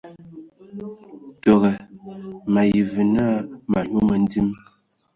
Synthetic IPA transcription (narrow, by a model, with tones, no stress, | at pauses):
tɔ˨ɣɛ˨ | ma˨ji˨vi˨na˦ma˨ɲu˦mə˨n˦di˦m